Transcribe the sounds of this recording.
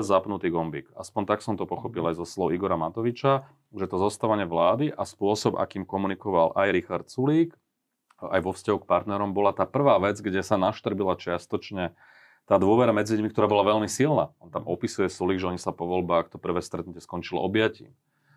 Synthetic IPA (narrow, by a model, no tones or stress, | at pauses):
zapnut̪iːɡɔmbḭːka̰spɔnt̪aksɔmt̪ɔpɔxɔpilajzɔslɔʊiɡɔɾamat̪ɔʋit͡ʃa | ʒɛt̪ɔzɔst̪aʋaɲɛʋlaːd̪iʔaspʊɔsɔba̰kiːmkɔmunikɔʋalʔajɾixaɾt̪suliːk | a̰jʋɔfscaɦuk̚paɾt̪nɛɾɔmbɔlat̪aːpr̩ʋaːʋɛd͡zɡɟɛsanaʃt̪r̩bilat͡ʃɪast̪ɔt͡ʃɲɛ | t̪aːd̪ʊɔʋɛɾamɛd͡ziʎumikt̪ɔɾaːbɔlaʋɛʎmisilnaːɔnt̪amɔpisujɛsuliːɡʒɛɔɲisapɔʋɔlbaːkt̪ɔpr̩ʋɛːst̪ɾɛt̪nucɛskɔnt͡ʃilɔ̰ɔbɪjacḭːm